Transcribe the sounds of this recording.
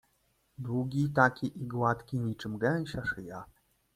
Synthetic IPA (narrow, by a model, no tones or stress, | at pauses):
d̪wuɡʲit̪akʲiʔiɡwat̪kʲiɲit͡ʂɘmɡɛw̃ɕaʂɨja